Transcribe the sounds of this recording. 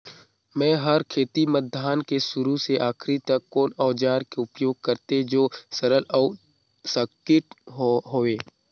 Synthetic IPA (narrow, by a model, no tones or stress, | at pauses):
mɛ̃ːɦəɾkʰeːt̪imət̪̚d̪ʱaːnkesʊɾuseʔaːkʰɾit̪ɐkːoːnɔːd͡ʒaːɾkeʊpjoːɡ̚kɐɾt̪ed͡ʒoːsəɾəlɔʊ | səkɪʈɦoːeː